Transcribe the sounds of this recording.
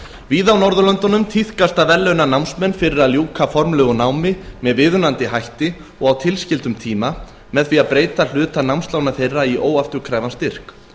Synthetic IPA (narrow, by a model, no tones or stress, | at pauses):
viːðawnɔɾðʏlœnt̪ɔnʏmt̪ʰiθkast̪avɛlːœnanawmsmɛnːfɪɾɪɾaðljuːkafɔɾmlœɣʏnawmɪmɛðvɪðʏnant̪ɪɦajht̪ɪ | ɔɣawt̪ʰɪlscɪlt̪ʏmt̪ʰiːma | mɛðθfiaðpɾeːjt̪al̥ʏːt̪anawmst̪lawnaθejrːaiʔoːwaft̪ʏkʰɾaːjvanst̪ɪr̥k